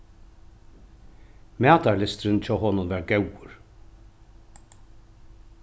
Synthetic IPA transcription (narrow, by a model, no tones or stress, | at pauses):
mæːt̪aɹlɪst̪ɾɪnt͡ʃʰɔːɦɔːnʊnvæɾɡɛwʊɾ